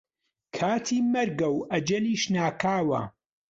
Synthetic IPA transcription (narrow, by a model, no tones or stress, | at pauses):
kʰaːt̪ʰiːmɐɾɡɐwɐd͡ʒɐniːʃnaːkʰaːwɐ̰